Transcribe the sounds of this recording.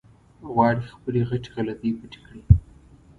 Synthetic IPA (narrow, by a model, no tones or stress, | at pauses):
ɣwɑɽixpəleɣaʈi̥ɣalat̪epəʈi̥kɽi